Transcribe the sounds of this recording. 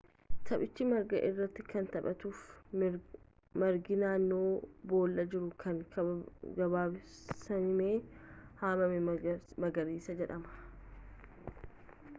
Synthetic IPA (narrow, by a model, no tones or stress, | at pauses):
t̪ʰɐpɪt͡ʃːɪmɐɾɡɐ̰ʔɪrːɐt̪ːɪkɐnt̪ɐɓɐt̪uːf | mɐɾɡɪnaːnːo̞ːbo̞ːlːɐd͡ʒɪɾʊkʰɐŋ | ɡɐbaːsɐnɪme̞ːhaːmɐmɛmɐɡɐɾiːsɐd͡ʒɛᶑɐmɐ̥